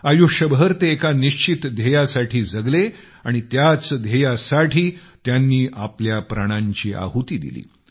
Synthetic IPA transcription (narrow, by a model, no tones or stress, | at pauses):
ajuɕəbɦəɾt̪eːkaniɕt͡ɕit̪d̪ʱejasaʈʰiːd͡zəɡle | aɽ̃it̪jat͡sd̪ʱejasaʈʰiː | t̪janːiːʔapljapɾaɽ̃ãɲt͡ɕiːʔa̰ɦut̪iːd̪ḭlḭː